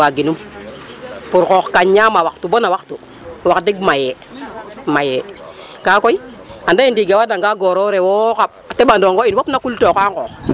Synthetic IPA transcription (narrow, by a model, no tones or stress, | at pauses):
aɡinum | puɾkoxkaɲɲamawaktubonawaktu | wakdiɡmaje | maje | kakoi | andajindiɡawadaŋɡaɡoɾoɾewokap̚tebandoŋɡoinwopnakultokaŋkox